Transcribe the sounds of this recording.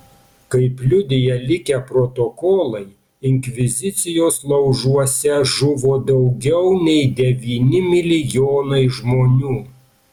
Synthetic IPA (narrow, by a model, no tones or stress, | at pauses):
kɐɪpʲlʲʊd̪ʲɪjɛlʲɪkʲɛpɾɔt̪oːkoːlˠɐɪ | ɪŋʲkʲʋʲɪzʲɪt̪sʲɪjoːslˠɐʊʒuɔsʲɛʒʊʋoːd̪ɐʊɡʲɛʊnʲɛɪd̪ʲɛʋʲiːnʲɪmʲɪlʲɪjoːnɐɪʒmoːnʲuː